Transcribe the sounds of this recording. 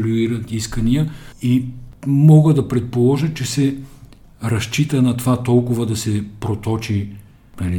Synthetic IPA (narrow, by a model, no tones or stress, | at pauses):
lʲuiɾət̪iskənijəimɔɡəd̪ɐpɾɛt̪̚polˠɔʒət̪t͡ʃɛsɛ | ɾɐʃt͡ʃit̪ənɐt̪ovat̪ɔlˠkʊvəd̪ɐsɛpɾot̪ɔt͡ʃi | nɐli